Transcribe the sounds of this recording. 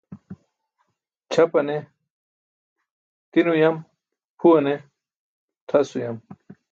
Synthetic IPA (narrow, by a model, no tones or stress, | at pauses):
t͡ɕʰɐpɐne | t̪inujɐm | pʰuɐne | t̪ʰɐsujɐm